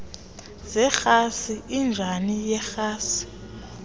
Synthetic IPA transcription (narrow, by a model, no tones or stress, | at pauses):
zɛxasiʔind͡ʒʱanijɛxaːsi̥